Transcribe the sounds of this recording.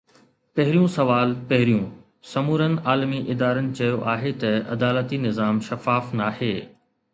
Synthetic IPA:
pɐɦɪɾijũsɐʋaːlpɐɦɪɾijũ | sɐmuːɾənɪ̆aːlmiʔɪd̪aːɾənɪ̆t͡ɕɐjoʔaːɦet̪ɐɐ̰d̪aːlət̪inɪzaːmʃɐfaːfnaːheː

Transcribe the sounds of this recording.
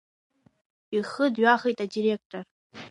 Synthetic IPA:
iχədɥaχejtʼadiɾe̞k̚tʼor

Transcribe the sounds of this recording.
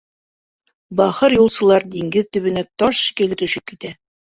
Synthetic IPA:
bɑχɤɾjulˠsɤ̆lˠɑɾd̪iŋɡɘðt̪ɵ̆βɘ̆næt̪ɒʃkɘ̆lɘ̆t̪ɵ̆ɕɘp̚kit̪æ

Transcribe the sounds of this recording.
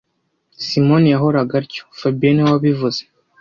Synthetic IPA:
simo̞nijaɦo̞ɾaɡaɾco̥fabienewaβivuz̥e

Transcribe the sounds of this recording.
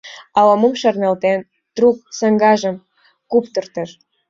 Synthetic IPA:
ɑləməmʃərnɑlt̪en | t̪ruk̚səŋɡɑʒə̆m | kupt̪ə̆rt̪əʃ

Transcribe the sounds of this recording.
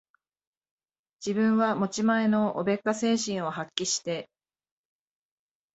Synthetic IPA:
d͡ʑibɯ̟̃ɰ̃βamo̞t͡ɕimae̞no̞ʔobe̞kːase̞ːɕĩɰ̃o̞ɦakʲːiɕi̥t̪e̞

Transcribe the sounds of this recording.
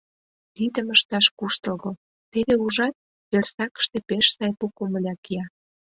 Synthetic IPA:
t̪id̪əməʃt̪ɑʃkuʃt̪ə̆lɣo | t̪eβeuʒɑt̪̚ | βersɑkə̥ʃt̪epeʃsɑjpukomə̆lʲɑkijɑ

